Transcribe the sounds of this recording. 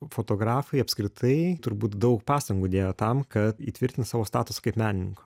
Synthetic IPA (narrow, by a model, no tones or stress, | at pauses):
foːt̪oːɡɾɑːfɐɪɐpʲsʲkɾʲɪt̪ʰɐɪt̪ʊɾbuːt̪d̪ɐʊkpɑːst̪ɐŋɡuːd̪ʲeːjoːt̪ɐmkɐt̪ḭːt̪ʲʋʲɪɾʲt̪ʲɪnsɑːʋoːst̪ɑːt̪ʊsɐ̥kɐɪpmʲæːnʲɪnʲɪŋkʊ̥